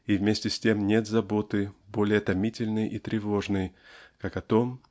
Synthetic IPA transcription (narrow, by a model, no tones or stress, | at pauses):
ivmʲesʲtʲɪsʲtʲe̞mnʲe̞t̪zɐbo̞t̪ɨbo̞lʲɪjət̪ɐmʲitʲɪlʲnɨjʔit̪ɾʲɪvo̞ʐnɨjkakɐt̪o̞m